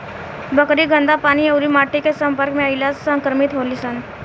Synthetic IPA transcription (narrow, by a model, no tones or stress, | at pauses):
bəkɾiɡə̃nd̪apaːniəwɾimaːʈikesə̃mpəɾkmẽailasə̃ŋkɾəmit̪ɦolisən